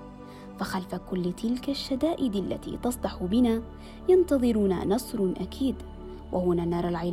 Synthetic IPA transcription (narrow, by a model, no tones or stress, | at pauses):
faxalfakʊlːt̪ɪlkaʃːad̪aːʔɪd̪alːa̰t̪ḭːt̪ɑsˤd̪ɑħʊbɪnaː | jɑnt̪ɑðˤɨɾuːna̰nɑsˤɾˤʔakʰiːd̪ | wʔa̰hʊnaːnːɑːɾˤalʕal